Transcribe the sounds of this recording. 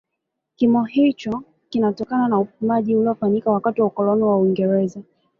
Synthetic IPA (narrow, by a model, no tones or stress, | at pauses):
kimɔhit͡ʃɔ | kinatɔkananaupumaʄiulɔfaɲikawakatiwaukɔlɔnɛwawiŋɡɛɾɛza